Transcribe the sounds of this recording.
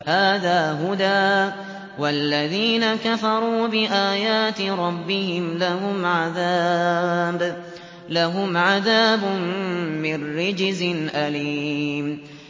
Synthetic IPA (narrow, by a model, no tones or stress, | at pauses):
haːðaːɦʊd̪aː | walːaðiːnakafɑɾˤuːbɪʔaːjaːt̪ɪɾˤɑbːɪhɪmlahʊmʕaðaːb | laɦʊmʕaðaːbʊmːɪnːɪd͡ʒzɪnʔaliːm